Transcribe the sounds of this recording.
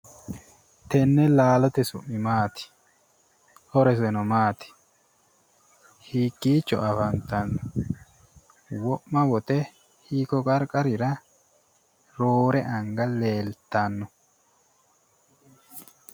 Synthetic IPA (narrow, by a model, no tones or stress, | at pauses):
t̪ɛnːɛlaːlɔt̪ɛsʊmːɪmaːt̪ɪ̥ | hɔɾɛs̬ɛnɔmaːt̪ɪ̥ | hiːkʼːiːt͡ʃːɔ̰ʔɐfɐnt̪ɐnːʊ | wɔʔːɐwɔt̪ɛ | hiːkɔkʼɐɾkʼɐɾɪɾɐ | ɾoːɾɛʔɐŋɡɐle̞ːlt̪ːanːɔ